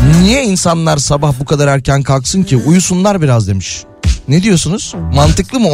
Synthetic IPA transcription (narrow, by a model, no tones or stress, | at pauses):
nijɛinsanlˠaɾsabahbukʰad̪aɾæɾcʰænkʰalˠksɯncʰiʔujusunlˠaɾbiɾazd̪e̞miʃ | ned̪ijo̞sunuz̥mant̪ɯklˠɯmɯ